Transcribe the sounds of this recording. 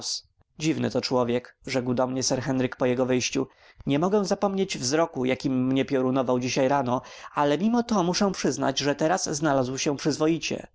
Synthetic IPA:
s | d͡ʑivnɘ̰t̪ɔt͡ʂwɔvʲjɛkʐɛkwd̪ɔmɲɛsɛɾxɛnɾɘkpɔjɛɡɔvɘjɕt͡ɕu | ɲɛmɔɡɛw̃zapɔmɲed͡ʑvzɾɔkujakʲimːɲɛpʲjɔɾunɔvawd͡ʑiɕajɾanɔalɛmʲimɔt̪ɔmuʂɛ̃w̃pʂɘzn̪a̰d͡ʑʐɛt̪ɛɾazːnalazwɕɛ̃pʂɘzvɔjit͡ɕɛ̰

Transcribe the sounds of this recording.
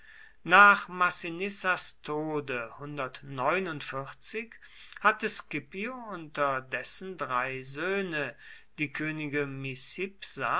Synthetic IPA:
naːχmasinɪsastʰoːdəhʊndɐtnɔʏnʊntfɪt͡sɪk | hatəskɪpioʊntɐdɛsn̩dʁaɪzøːnə | d̥iːkʰøːnɪɡəmisɪpsa

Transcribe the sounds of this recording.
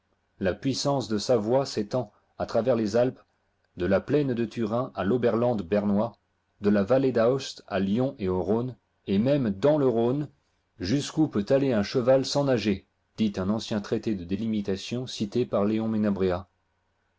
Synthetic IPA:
lapɥisɑ̃sd̪əsavwaset̪ɑ̃ | at̪χavɛʁlezalp | d̪əlaplɛnd̪ət̪yʁɛ̃ʔalobɛʁlɑ̃d̪bɛʁnwa | d̪əlavaled̪aɔst̪aljɔ̃ʔeoʁon | emɛmd̪ɑ̃ləʁon | ʒyskupøt̪aleɛ̃ʃəvalsɑ̃naʒe | d̪̥it̪ɛ̃nɑ̃sjɛ̃t̪χet̪ed̪əd̪elimit̪asjɔ̃sit̪epaʁleɔ̃menabʁea

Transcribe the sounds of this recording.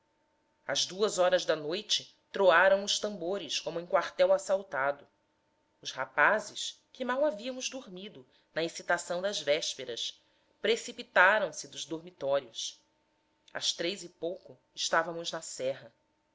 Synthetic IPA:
ɐzd̪uɐzɔɾɐzd̪ɐnojt͡ʃɪ | t̪ɾoaɾɐ̃w̃ʊʃt̪ɐ̃mboɾɪskõmʊẽkwaɾt̪ɛwasawt̪ad̪ʊ | ʊʃhapazɪʃ | kɪmawaviɐmʊzd̪oɾmid̪ʊ | nɐesit̪asɐ̃w̃d̪ɐzvɛʃpeɾɐs | pɾesipit̪aɾɐ̃w̃sɪd̪ʊzd̪oɾmit̪ɔɾiʊs | ɐ̰ʃt̪ɾejzɪpowkʊ | ɪʃt̪avɐmʊznɐsɛɦɐ

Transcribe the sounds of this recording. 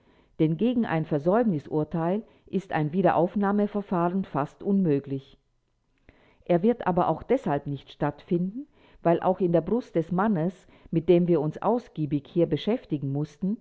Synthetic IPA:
d̥ɛnɡeːɡŋ̩ʔa̰ɪnfɛɐzɔʏbnɪsʔʊ̰ɐtʰaɪl | ʔɪsta̰ɪnviːɾɐ̰ʔaʊfnaːməfɛɐfaːʁənfastʔʊnmøːklɪç | ʔeːɐvɪɐtʔa̰ːbɐʔa̰ʊxd̥ɛshalpnɪçtʃtatfɪndn̩ | vaɪlʔa̰ʊxɪndeːɐbʁʊstd̥ɛsmanəs | mɪt̚d̥eːmviːɐʊnsʔa̰ʊsɡ̥iːbɪçhiːɐbəʃɛftɪɡŋ̩mʊstn̩

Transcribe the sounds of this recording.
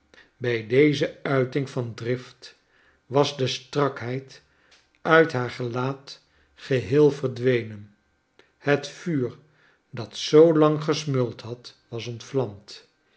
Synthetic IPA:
bɛjdejzəœɥtɪŋvɑndrɪft | ʋɑzdəstrɑkɦɛjt | œɥtɦaːɹχəlaːt | χəɦɪːlˠvərdʋejnən | hətfyːr | dɑtsowlɑŋχəsmʏlˠtɦɑtʋɑsɔntflɑmt

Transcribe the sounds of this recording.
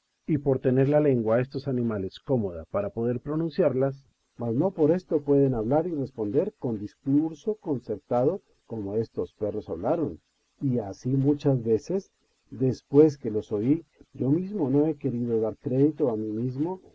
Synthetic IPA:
ipo̞ɾt̪e̞ne̞ɾlale̞ŋɡwae̞st̪o̞sanĩmale̞sko̞mo̞ðapaɾapo̞ðe̞ɾpɾo̞nũnsjaɾlas | mazno̞po̞ɾe̞st̪o̞pwe̞ðe̞naβlaɾire̞spo̞nd̪e̞ɾko̞nd̪iskuɾso̞ko̞nse̞ɾt̪aðo̞ | ko̞mo̞e̞st̪o̞spe̞ro̞saβlaɾo̞n | iasimut͡ʃazβe̞se̞s | d̪e̞spwe̞s̬ke̞lo̞so̞id͡ʒo̞mizmo̞noe̞ke̞ɾiðo̞ðaɾkɾe̞ðit̪o̞amimizmo

